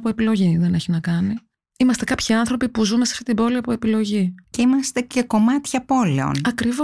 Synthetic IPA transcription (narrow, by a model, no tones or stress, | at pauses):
poe̞pilo̞ʝiðe̞ne̞çinɐkɐni | imɐst̪e̞kɐpçiɐnθɾo̞pipuzume̞seɐft̪it̪ibo̞liɐpoe̞pilo̞ʝiceimɐst̪e̞ce̞ko̞mɐt̪çɐpo̞le̞o̞̰nnɐkɾivo